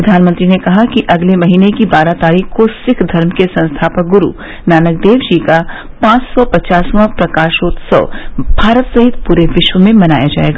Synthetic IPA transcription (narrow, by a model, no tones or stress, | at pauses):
pɾɐd̪ʱaːnmə̃nt̪ɾinekɐɦakiʔɐɡlemɐɦiːnekibaːɾat̪aːɾiːkʰkosɪkʰd̪ʱɐɾmkesɐ̃nst̪ʰaːpək̚ɡʊɾṵ | naːnək̚d̪eːʋd͡ʒiːka | pãːt͡ʃsɔpɐt͡ʃaːsʋãpɾɐkaːʃoːt̪sɔ̰b̥ʱaːɾət̪sɐɦɪt̪̚puːɾeʋɪʃwəmẽmɐna̰ːjad͡ʒa̰ːḛːɡaː